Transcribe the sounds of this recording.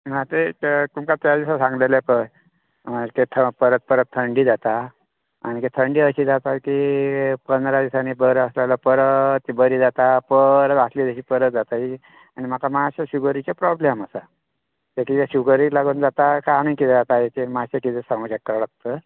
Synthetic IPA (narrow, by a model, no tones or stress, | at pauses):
mat̪ekumkat̪jad̪isasãŋɡlelepəj | maket̪ʰəpəɾət̪̚pəɾət̪ʰːəɳɖiːd͡zat̪a | a̰ñiket̪ʰəɳɖiːəɕiːd͡zat̪akipənd̪ɾad̪isanibəɾəslalapəɾət̪ibəɾiːd͡zat̪apəɾət̪əslid̪əɕiːpəɾət̪̚d͡zat̪aɦi | añim̤akamaɕaɕuɡəɾit͡ɕapɾɔblemasə | t̪ekit̪aɕuɡəɾilaɡuːnd͡zat̪akanĩkit̪d͡zat̪aekemasekit̪esaŋɡəɕakːəɾɭək̚t̪ə